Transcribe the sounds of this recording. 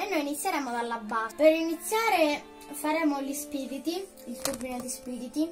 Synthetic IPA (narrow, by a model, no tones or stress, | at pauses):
enːojinit̪sːjeɾɛːmod̪alːabːapeɾinit̪sːjaːɾe | faɾɛːmolispiːɾit̪i | ilt̪urbinod̪ispiːɾit̪i